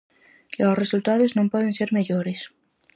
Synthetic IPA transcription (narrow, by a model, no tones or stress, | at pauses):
kosresult̪aðoznõmpweðenseɾmeʎoɾes